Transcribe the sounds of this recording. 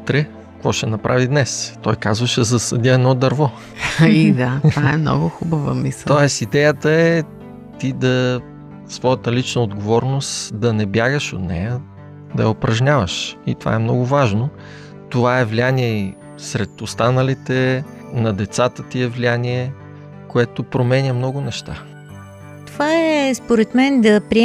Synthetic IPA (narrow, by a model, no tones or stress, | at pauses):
ut̪ɾɛ | kvɔʃɛnɐpɾʔavid̪nɛst̪ɔjkazvəʃɛzɐsəd̪iəɛd̪nɔd̪ɐɾvɔ | id̪avaɛmnɔ̰ɡʊxubəvə̰mistɔɛsid̪ɛjət̪əɛ | t̪id̪ɐ | svɔjət̪əlit͡ʃnəod̪ɡovɔɾnost̪d̪ɐnɛbjaɡəʃot̪nɛ̰jə | d̪ɐ̰jəopɾɐʒɲʲavəʃit̪ova̰ɛmnɔɡʊvaʒno | t̪ovaɛvlianiɛi | sɾɛt̪ost̪anəlit̪ɛ | nɐd̪ɛt̪sat̪ət̪iɛvlianiɛ | koɛt̪opɾomɛnʲəmnɔɡʊnɛʃt̪a̰ | t̪ovaɛspoɾɛt̪mɛnd̪ɐpɾi